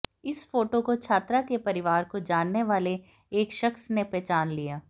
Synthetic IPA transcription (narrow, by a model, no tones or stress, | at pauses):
ɪsfoːʈokot͡ʃʰaːt̪ɾakepɐɾɪʋaːɾkod͡ʒaːnːeʋaːle | eːkʃɐxsnepɾɛːt͡ʃaːnlijaː